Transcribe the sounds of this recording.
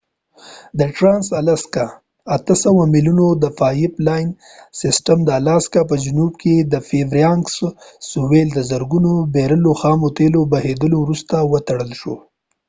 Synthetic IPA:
d̪əʈɾɑnsalaska | at̪əsawamɪljunod̪əfɑjɪplɑjn | sɪsʈəmd̪əalaskap̬əd͡ʒʊnubked̪əfevɾjɑŋkssuweld̪əzəɾɡunobeɾəloxɑmot̪elobahed̪əlowɾust̪awət̪aɽəlʃo̰

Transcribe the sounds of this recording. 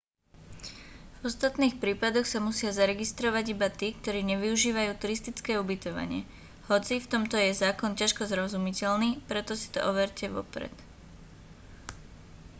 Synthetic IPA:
vɔst̪at̪niːxpɾiːpad̪ɔxsamusɪazaɾɛɡist̪ɾɔʋaɟibat̪iːkt̪ɔɾiːɲɛʋiuʒiːʋajuːt̪uɾist̪it͡skɛːubit̪ɔʋa̰ɲɪɛ̰ | hɔt͡sift̪ɔmt̪ɔjɛzaːkɔncaʃkɔzɾɔzumicɛlniːpɾɛt̪ɔsi̥t̪ɔ̰ʔɔʋɛɾcɛʋɔ̰pɾɛ̰t̪

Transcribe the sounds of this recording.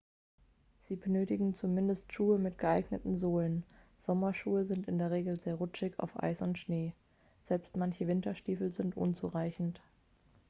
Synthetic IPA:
z̥iːbənøːtɪɡŋ̩t͡sumɪndəstʃuːəmɪtɡ̥əʔaɪɡnətn̩zoːlən | z̥ɔmɐʃuːəzɪntɪndeːɐʁ̞eːɡl̩zeːɐʁʊt͡ʃɪça̰ʊfʔa̰ɪsʊntʃneː | z̥ɛlpstmançəvɪntɐʃtiːfl̩zɪntʔʊ̰nt͡sṵʁaɪçn̩t

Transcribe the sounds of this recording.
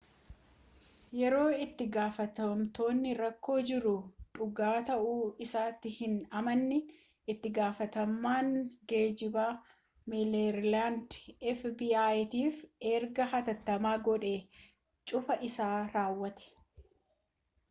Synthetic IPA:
jɛɾo̞ːɪt̪ːɪɡaːfɐt̪ɐmt̪o̞ːnːɪɾɐkːo̞ːd͡ʒɪɾʊᶑʊɡaːt̪ɐʔuːɪsaːt̪ːɪhɪnɐmɐnːɪ | ɪt̪ːɪɡaːfɐt̪ɐmːaːŋɡeːd͡ʒɪbaː | mɪlɛɾlaːndɛfbiːaːjt̪iːfeːɾɡɐɦɐt̪ɐt̪ːɐmaːɡɔᶑeː | t͡ʃʼʊfɐʔɪsaːɾaːwːɐt̪ɛ̥

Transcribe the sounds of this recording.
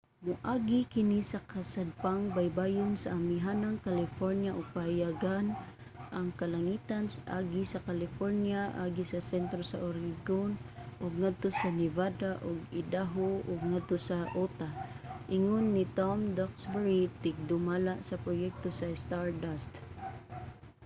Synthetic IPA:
mʊʔaɡikɪnisakasad̪̚paŋbajbajʊnsaamiɦanaŋkalɪfoɾnjaʔʊɡ̚pahajaɡan | ʔaŋkalaŋit̪ansʔaɡisakalɪfoɾnjaʔaɡisasɛnt̪ɾosaʔoɾiɡonʔʊɡŋad̪̚t̪osanɪvad̪aʔʊɡɪd̪aɦoʔʊɡŋad̪̚t̪osaʔot̪aʔɪŋʊnːit̪ɔmd̪ɔksbɛɹit̪ɪɡ̚d̪ʊmalaʔsapɾojɛk̚t̪osast̪aɹdast̪

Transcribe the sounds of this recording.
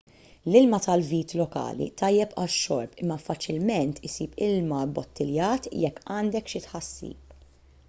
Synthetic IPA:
lɪlmɐt̪ɐlviːt̪lɔkɐ̰ːlḭt̪ɐjːɛpɐʃːɔ̰ɾpɪmːɐfɐt͡ʃɪlmɛnt̪ʰɪsiːpɪlmɐbɔt̪ːɪljɐːt̪jɛkːɐːnd̪ɛkʃɪt̪ħɐsːḭːp̚

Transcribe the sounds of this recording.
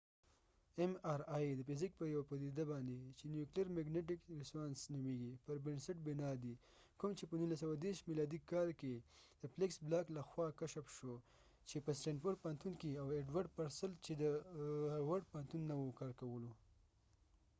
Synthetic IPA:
emɑɾɑjd̪əfɪzɪk̚pəjawapad̪id̪abɑnd̪et͡ʃenjuklijaɾmaɡneʈ̬ɪkɾɪspɑnsnɪweɡipəɾbɪnsɪʈ̚bɪnɑd̪i | kʊmt͡ʃepənunlasawad̪eɾʃmilɑd̪ikɑlked̪̥əpleksblɑklaxwɑkaʃapʃo | t͡ʃepəsʈeɳɖpoɽ̚pɑnt̪unkiaweɖwaɖpaɾsəlt͡ʃed̪ə | waɽpɑnt̪unːawokɑɾkawəlo

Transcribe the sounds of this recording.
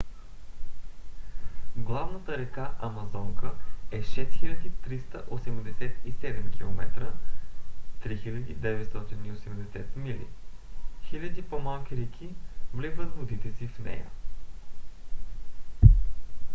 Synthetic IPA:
ɡlˠavnət̪əɾɛkaʔɐmɐzɔŋkəɛʃɛsxilʲəd̪it̪ɾist̪əʔosɛmd̪ɛsɛt̪isɛd̪ɛmkʲilˠomɛt̪ɾə | t̪ɾixilʲəd̪id̪ɛvɛt̪st̪ɔt̪iniosɛmd̪ɛsɛt̪milḭ | xilʲəd̪ipomalˠkʲiɾɛkʲʰivlizvət̪vʊd̪it̪ɛsifnɛ̰jə̰

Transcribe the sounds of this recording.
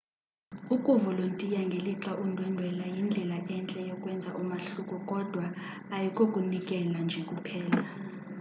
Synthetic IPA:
ukʼuvɔlontʼijaŋɡʱeliǁaʔundʱwɛndʱwɛlajind͡ɮʱɛlaʔɛnt͡ɬʼɛjɔkʼwɛnd͡zʱaʔumaɬukʼɔkʼɔd̥ʱwaː | jikʼokʼunikʼɛland͡ʒʱɛkʼupʰɛːla

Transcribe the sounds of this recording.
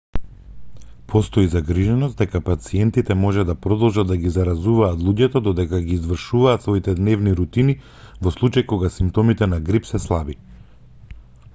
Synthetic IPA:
pʰɔst̪ɔizaɡɾiʒɛnɔs̚d̪ɛkapat̪siɛnt̪it̪ɛmɔʒɛd̪apɾɔd̪ɔlˠʒad̪d̪aɡizaɾazuvaːt̪lˠuɟɛt̪ɔd̪ɔd̪ɛkaɡiːzvr̩ʃuvaːt̪svoit̪ɛd̪nɛvniɾut̪ini | vɔslˠut͡ʃajkoɡasimpt̪ɔmit̪ɛnaɡɾipsɛslˠabi

